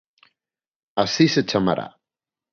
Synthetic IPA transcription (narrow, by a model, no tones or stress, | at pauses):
asisət͡ʃama̰ɾa̰